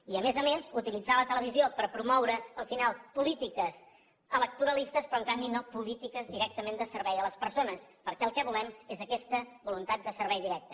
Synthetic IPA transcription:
iəmezəmezut̪ilid͡zalət̪ələβ̞iziopəɾpɾumɔwɾəːlˠfinalˠpulit̪ikəz | ələk̚t̪uɾəlist̪əspɾɔəŋkambinopulit̪ikəzðiɾɛk̚t̪əmend̪əsəɾβɛjələspəɾsonəspəɾkɛəlˠkɛβulɛmezəkɛst̪əbulunt̪at̪̚d̪əsəɾβɛjðiɾɛk̚t̪ə

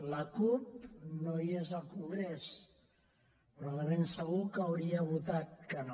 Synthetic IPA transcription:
lakup̚nojezalkuŋɡɾes | pɾolarensaɣukawɾiaβut̪at̪̚kano

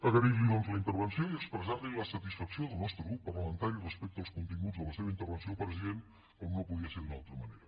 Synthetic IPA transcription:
əɣəɾiʒiðɔnzləint̪əɾβənsioiəkspɾəzaɾliləsət̪isfəksioðəlˠnɔst̪ɾəɣɾupːərləmənt̪aɾirəspɛk̚t̪əəlˠskunt̪iŋɡud͡zðələseβəint̪əɾβənsiopɾəziðen | omnopuðiəseðunalˠt̪ɾəməneɾə

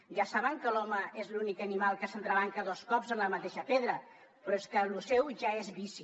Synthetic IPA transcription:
ʒasaβəŋkəlɔməezlunikənimalˠkəsənt̪ɾəβ̞aŋkəðɔskɔpzənləmət̪eʃəpeðɾə | pɾɔeskəlusɛwʒaezβisi

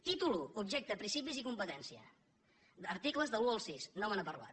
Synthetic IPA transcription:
t̪it̪uluubʒɛk̚t̪əpɾinsipizikumpət̪ɛnsiə̰ | əɾt̪ikləzðəuəlˠsisnɔmənəpəɾla̰t̪

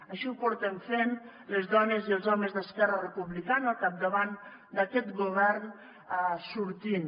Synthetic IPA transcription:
aʃipuɾt̪eɱfen | lezðɔnezielˠzɔmezðəskɛrərepuβlikanəkap̚d̪aβan | d̪akɛt̪ɡuβɛɾn | suɾt̪in

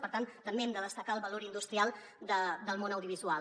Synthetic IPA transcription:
pəɾt̪ant̪əmbeɛmd̪əðəst̪əkaəlˠβəloɾind̪ust̪ɾialˠ | d̪əd̪əlˠmonəwðjuβizua

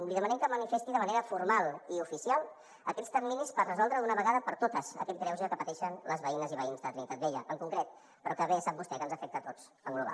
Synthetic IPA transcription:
liðəmənɛmkəmənifest̪iðəməneɾəfuɾmalˠiufisialˠ | əkɛtt͡sst̪əɾminispərrəzɔlˠd̪ɾəunəβəɣaðəpəɾt̪ot̪əzə̰kɛt̪̚ɡɾɛwzəkəpət̪ɛʃənləzβəinəziβəinzðaunit̪əd̪eʎəʔəŋkuŋkɾɛt̪ | pəɾɔkəβesap̚bust̪ɛkənzəfɛk̚t̪ət̪ot͡s | əŋɡluβa̰

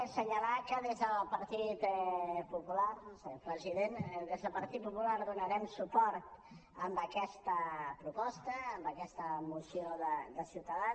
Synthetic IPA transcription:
səɲəlakəðezðəlˠpəɾt̪it̪pupularsəpɾəziðenðezðəlpəɾt̪it̪̚pupulaɾðunəɾɛmsupɔɾt̪ | əmbəkɛst̪əpɾupɔst̪əːmbəkɛst̪əmusioðəd̪əsiwt̪əða

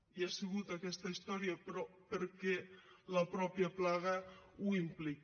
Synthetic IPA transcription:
iaseɣ̞ut̪akɛst̪ɐist̪ɔɾjapɾɔpeɾkɛlapɾɔpjaplaɣ̞auimplik

